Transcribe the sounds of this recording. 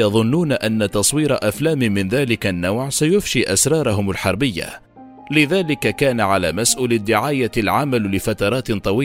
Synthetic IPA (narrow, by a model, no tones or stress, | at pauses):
jɑðˤʊnːuːnaʔanːat̪ɑsˤwiːɾaʔaflaːmɪmɪnðaːlɪkanːawʕsajʊfʃiːʔasɾˤɑːɾˤɑɦʊmalħɑɾˤbɪjːa̰ | lɪðaːlɪkakaːnaʕala̰ːmasʔuːlɪd̪ːɪʕaːjalʕamallɪfat̪ɑɾˤɑːt̪t̪ˤːɑwiː